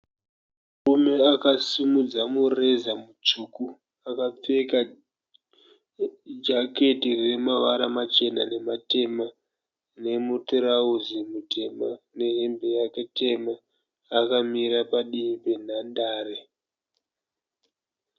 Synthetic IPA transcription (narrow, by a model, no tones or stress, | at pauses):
rume̞akasimud͡zamure̞zamut͡ʃuku | akap͡fe̞ka | d͡ʒaketiriremaʋaɾamat͡ʃe̞na̰ne̞mate̞ma | ne̞mutiɾauzimute̞mane̞ɦembʱe̞jakete̞maː | kamiɾapaɗiipe̞n̤andaːre